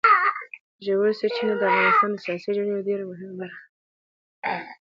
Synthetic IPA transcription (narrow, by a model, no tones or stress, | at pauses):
ʒewoset͡ʃinad̪əafɣɑnɪst̪ɑnd̪əsijɑsid͡ʒenejoɖeɾamʊɦɪmabaɾxḁ